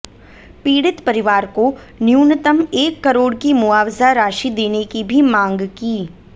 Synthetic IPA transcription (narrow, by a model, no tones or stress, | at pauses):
piːɽɪt̪pɐɾɪʋaːɾko | njuːnət̪əmeːkːɐɾoːɽkimʊaːʋzaɾaːʃid̪eːnekibʱimãːŋɡkiː